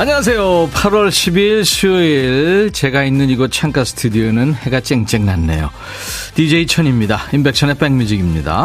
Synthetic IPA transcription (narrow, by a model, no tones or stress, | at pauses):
aɲʌŋas̬ʰe̞jopʰaɾwʌɭɕʰibiɭɕʰiiɭt͡ɕe̞ɡainːɯniɡʌt͡ɕʰaŋk͈asʰɯ̥tʰudionɯnhe̞ɡat͡ɕ͈eŋt͡ɕ͈eŋnanːe̞̰jo̰ | tid͡ʑe̞it͡ɕʰʌɲimɲidaimbe̞k̚ɕʰʌne̞p͈eŋmid͡ʑiɡimɲida̰